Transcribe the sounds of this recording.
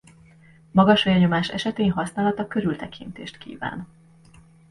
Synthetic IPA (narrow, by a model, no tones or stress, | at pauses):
mɒɡɒʃhɒjɒɲo̞maːʃɛ̰ʃɛt̪eːnɦɒsnaːlɒt̪ɒkø̞ɾylt̪ɛkʰint̪ḛːʃt̪kḭːva̰ːn